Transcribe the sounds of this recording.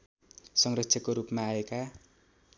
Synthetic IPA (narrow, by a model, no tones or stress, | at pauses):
sʌŋrʌksʰʌkoɾupmaːeka